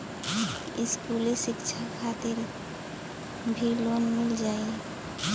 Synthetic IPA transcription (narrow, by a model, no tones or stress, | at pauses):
ɪskuːlesɪkt͡ʃʰakʰat̪ɪɾ | bʱilonmɪld͡ʒaːe